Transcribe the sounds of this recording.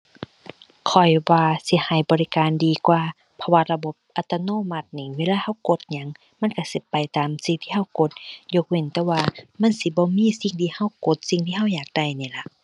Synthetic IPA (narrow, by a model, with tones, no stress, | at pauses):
kʰɔ˨˩jwaː˧si˧˦ha˨˩jbɔː˨li˧kaː˨ndiː˨kwaː˧ | pʰa˧waː˧la˧bo˧˦p̚ʔa˧˩t̪a˧noː˧˨ma˧˩t̪̚ni˧˩weː˧˨laː˧˨ha˧˥˩wko˧˦t̪̚ɲa˧˥ŋ | ma˧˥˨nka˧˩si˧˦pa˨jt̪aː˨msi˧ŋt̪ʰiː˧˨a˧˩˨wko˧˦t̪̚jo˧˦k̚we˧˨nt̪ɛː˧˨waː˧ma˧˥˨nsi˧˦bɔː˧˦miː˧˥˨si˧˩ŋt̪ʰiː˧˨ha˧˥˨wko˧˦t̪̚si˧˨ŋt̪ʰiː˧ɦa˧˥˨wjaː˨˩k̚da˧˩jni˧˩˨la˧˦ʔ